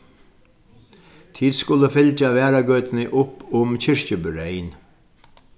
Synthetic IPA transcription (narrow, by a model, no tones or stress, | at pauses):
t̪ʰiːd̪skʊləfɪlt͡ʃaʋæːɾaɡœːt̪nɪʔʊpːʊmcʰɪɹcəbʏɾɛjn